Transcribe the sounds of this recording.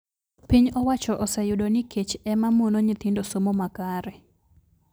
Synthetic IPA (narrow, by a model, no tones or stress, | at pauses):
piɲɔwat͡ʃɔʔɔsɛjʊdonɪket͡ʃɛmamonoɲɪt̪ɪndosomomakaɾɛ